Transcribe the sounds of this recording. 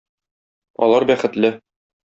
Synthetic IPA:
ɒ̰lˠɑɾbæχɘ̆t̪lɘ

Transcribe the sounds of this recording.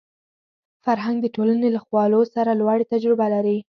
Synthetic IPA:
faɾɦaŋɡ̚d̪əʈolanelaxwɑlosaɾalwaɽet̪ad͡ʒɾɪbalaɾi

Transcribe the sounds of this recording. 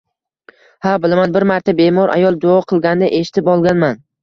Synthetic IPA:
habɪlamanbɪɾmaɾt̪ʰabe̞mɒɾa̰jɒlˠd͡ʒoɒqʰɨlˠɡʲand̪aʔe̞ʃɪ̥t̪ʰɪpɒlˠɡʲanman

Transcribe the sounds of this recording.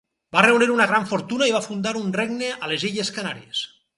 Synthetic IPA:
bareuniɾunaɣ̞ɾaɱfoɾt̪unaiβ̞afund̪aɾunreɡnealeziʎeskana̰ɾies

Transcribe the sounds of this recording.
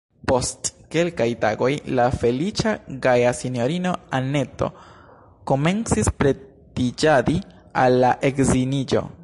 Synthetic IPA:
po̞stke̞lkajta̰ɡo̞jlafe̞lit͡ʃaɡajasinjo̞ɾino̞ane̞to̞̰ | ko̞me̞nt͡sispɾe̞ | tid͡ʒadi | alːaʔe̞kzinid͡ʒo̞̰

